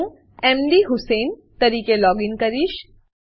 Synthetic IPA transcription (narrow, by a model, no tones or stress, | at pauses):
emɖ̪iɦʊseːnt̪ɐɾiːkelɔːɡinkɐɾiʃ